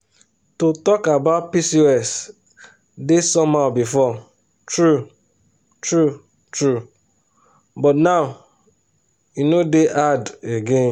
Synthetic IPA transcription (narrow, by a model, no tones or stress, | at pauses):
totɔkabaʊt̚pisiɛs | desɔmaʊbifɔ | tɾu | tɹu | tɹu | bɔtnaʊ | inodeʔadeɡẽn